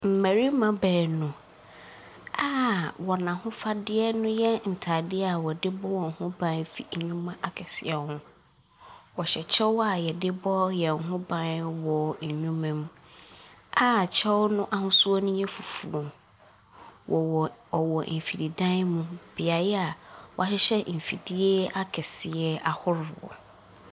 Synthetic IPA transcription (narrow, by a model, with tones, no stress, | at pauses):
m̩˨mæ̃˨ɾi˦mã˨bɛː˨nʊ̃˨ | aː˦wɔ˨nã˨hʊ̃˦fa˦dɪ˦ɛ˦nʊ̃˦jɛ˦n̩˨tʰa˨dɪ˦a˨wɔ˨dɪ˦bɔ˦wɔ˨ŋ̩˨hʊ̃˦bã˦n˦fi˨ɲũ˦mã˦ʔa˨kʰɛ˨sɪ̰˨ɛ˨hʊ̃˦ | wɔ˨ɕɛ˨t͡ɕʰɛ˦wa˨jɛ˨dɪ˦bɔ˦jɛ˨ŋ̩˨hʊ̃˦bã˦wɔ˨ɲ˨ɲũ˦mã˦m˦ | a˦˨t͡ɕʰɛ˦wnʊ̃˦ʔa˦hʊ̃˦su˦ɔ˦nʊ̃˦jɛ̃˦fu˨fu˨ɔ˨ | wʔɔ˨ɔ˨wɔ˨m̩˨fi˨ɾi˨dã˦n˦mũ˦b̥ɪ˨a˨jɛ˦a˨wɔ˨a˨˦ɕɪ˦ɕɛ˦m̩˨fḭ˨di˦e˦a˦kʰɛ˨sɪ˨ɛ˦a˨hʊ˦ɾɔ̰˨